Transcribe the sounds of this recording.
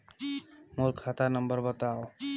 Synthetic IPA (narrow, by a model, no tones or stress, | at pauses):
moɾkʰat̪anʌmbəɾbɔt̪ao